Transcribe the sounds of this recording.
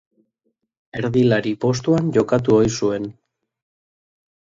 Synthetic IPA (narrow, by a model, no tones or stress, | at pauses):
e̞ɾðilaɾipo̞s̬t̪uanʝo̞kat̪̬uojsue̞n